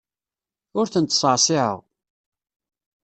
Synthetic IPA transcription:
ʊɾθənt̪sˤəʕsˤɪʕə̰ʁ

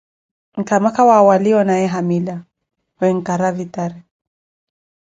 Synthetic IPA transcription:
ŋ̩kamakawawaliɔnajɛɦamila | wɛŋ̩kaɾavitaɾɛ

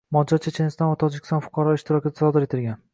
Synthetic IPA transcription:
mɒd͡ʒaɾt͡ʃʰet͡ʃʰe̞nst̪ɒnvat̪ʰɒd͡ʒɪkʲɪ̥st̪ɒnfʊ̥qʰɑɾɒɪʃt̪ɪɾɒkʲɪd̪ḁsɒd̪ɪɾe̞t̪ʰɪlɡʲan

